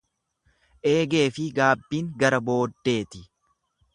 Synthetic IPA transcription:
ʔe̞ːɡe̞ːfɪɡaːbːiːŋɡɐɾɐbo̞ːd̪ːe̞ːt̪ɪ

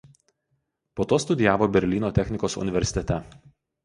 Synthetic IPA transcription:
poːt̪oːst̪ʊd̪ʲɪjæːʋoːbʲɛɾʲlʲiːnoːt̪ʲɛxʲnʲɪkoːsʊ̰nʲɪʋʲɛɾʲsʲɪ̥t̪ʲɛt̪ʲɛ

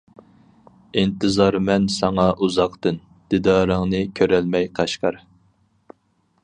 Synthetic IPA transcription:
int̪ɨzɑɾmɛnsɑŋɑʔuzɑqt̪ɨn | d̪̥ɪd̪ɑːɾəŋnɨkʲʰøɾɛlmɛjqʰɑʃqɑɾ

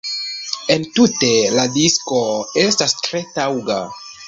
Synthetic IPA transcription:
e̞ntute̞ladisko̞e̞stastɾe̞tawɡa̰

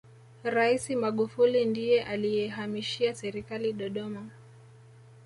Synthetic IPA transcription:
ɾaisimaɠufulindijɛʔalijɛɦamiʃiasɛɾikaliɗɔɗɔma

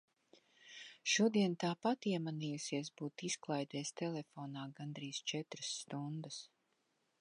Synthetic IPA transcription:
ʃuɔd̪iɛnt̪aːpat̪iɛmaniːjusiɛsbuːt̪isklˠajd̪ɛːst̪ɛlˠɛfoːnaːɡand̪ɾiːzt͡ʃɛt̪ɾɨsːt̪und̪əs

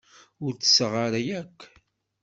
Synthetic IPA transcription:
ʊɾt͡sːə̥sʁaɾæjækʷː

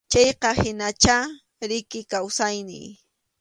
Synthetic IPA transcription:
t͡ʃɑjqɑhɪnat͡ʃa | ɾɪkɪkawsajnɪ̰j

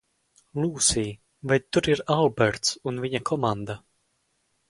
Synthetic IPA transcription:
lˠuːsiː | vɛjt̪ːuɾiɾalˠbɛɾt̪sunviɲakʰɔmand̪a

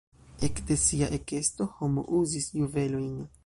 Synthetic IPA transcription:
e̞kde̞siaʔeke̞sto̞homo̰ʔuzisjuve̞lo̞jn

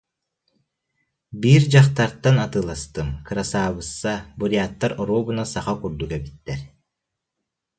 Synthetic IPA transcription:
biːɾd͡ʑaχt̪aɾt̪ːanat̪ɯːlˠast̪ɯmkɯɾasaːbɯsːabuɾijaːt̪ːaɾɔɾuːbunasaχakuɾd̪ukɛbit̪ːɛɾ

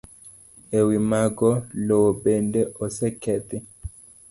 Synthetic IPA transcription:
ewimaɡɔlɔbɛndɛɔsɛkɛt̪i

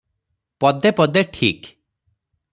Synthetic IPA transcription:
pɔd̪epɔd̪eʈʰḭk

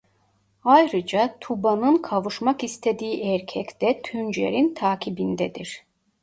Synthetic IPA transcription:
ajɾɯd͡ʒat̪ʰubanɯnkʰavuʃmakist̪ʰed̪iːʔɛɾcʰɛct̪ɛt̪ʰynd͡ʒḛɾint̪ʰaːcʰibind̪ɛd̪iɾ̥

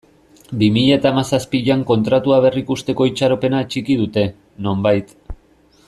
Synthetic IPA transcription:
bimiʎat̪aːmasaspiʎaŋko̞nt̪ɾat̪uaβ̞e̞rikust̪e̞ko̞it͡ʃaɾo̞pe̞nat͡ʃikið̞ut̪e̞ | no̞mbajt̪

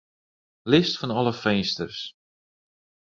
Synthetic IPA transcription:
lɪstfɔnɔlˠəfɛjnstərs

